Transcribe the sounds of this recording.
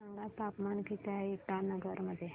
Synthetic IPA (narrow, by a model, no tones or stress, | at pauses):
əŋɡat̪apmankit̪aiʈanəɡəɾməd̪ʱːje